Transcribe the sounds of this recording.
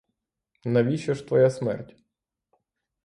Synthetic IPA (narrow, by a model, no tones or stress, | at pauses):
nɐʋʲiʃɐʃt̪ʋɔjasmɛ̰rtʲ